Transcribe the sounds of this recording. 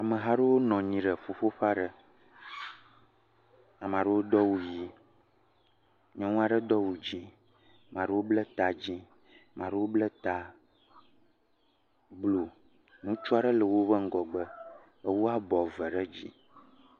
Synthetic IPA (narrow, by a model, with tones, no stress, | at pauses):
a˨mə̃˨ɦa˦ɖə˦wo˦nɔ̃˨ɲĩ˨ɖə˨ɸo˨ɸo˦ɸa˦ɖə˨ | a˨mã˨ɖə˦wo˦d̪ɔ˦wu˨ji˨ | ɲɔ̃˦nũ˦a˨ɖə˦d̪ɔ˦wu˨d͡ʑĩ˦ | mã˨ɖə˦wo˦blə˦t̪a˨d͡ʑĩ˦ | mʔã˨ɖə˦wo˦blə˦t̪a˨ | blo˨ | nũ˦t͡ʃu˦a˨ɖə˦lə˨wo˦βə˦ŋ̩˦ɡɔ˨ɡ͡bə˦ | ə˦wo˦a˦bɔ˨və˨ɖə˦d͡ʑḭ˦